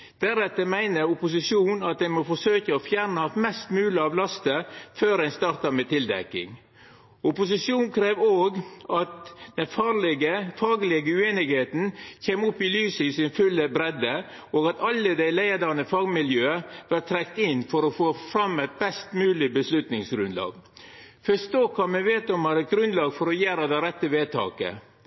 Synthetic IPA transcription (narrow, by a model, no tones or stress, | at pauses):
d̪̥æɾɛt̪ːəmæɪnəɾʊpʊs̬ɪsjuːnɑt̪̚d̪æɪmɔfɔsøːkəoːfjæɾnəɑt̪mɛst̪mʉːləɑːʋlɑst̪əføːɾæɪnst̪ɑːɾt̪ɑmeːt̪ʰɪld̪ɛ̰kːɪ̰ŋ | ʊpʊsɪsjuːnkʰɾeːʋoːɡɑt̪d̪̥ɛnfɑlɡəfɑːɡlɪɡəʉeːnɪɡheːt̪n̩çeːmʊpːɪlyːsəɪsɪnfʉlːəbɾɛd̪ə | oːɡɑt̪ɑlːəd̪æɪlæɪd̪ɑnəfɑːɡmɪljøːəʋɑʈt̪ʰɾɛkt̪ɪnfɔɾɔfoːfɾɑmɛɪt̪̚bɛst̪mʉːlɪbəslʉt̪nɪŋsɡɾʉnd̪lɑ̰ːɡ | fœst̪oːkʰɑːmɛʋeːt̪ɔmhɑɾɛt̪̚ɡɾʉnd̪lɑːɡfɔɾɔjæːɾɑd̪ɛɪɾɛt̪ːəʋeːt̪ʰɑ̰ːkə̰